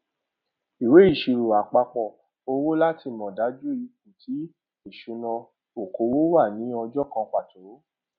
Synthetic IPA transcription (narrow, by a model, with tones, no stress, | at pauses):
i˨we˨˦i˦˨ʃi˨ɾu˨a˨k͡pa˧k͡pɔ˦˨ | o˧wo˦la˦tʰi˧˨mɔ̃˨da˨˦d͡ʒu˦i˧k̚ũ˨tʰi˨˦ | e˦˨ʃu˨˦nã˧ | o˨ko˨˦wo˦wa˦˨nĩ˨˦ɔ˧d͡ʒɔ˦kã˧k͡pa˦˨to˨˦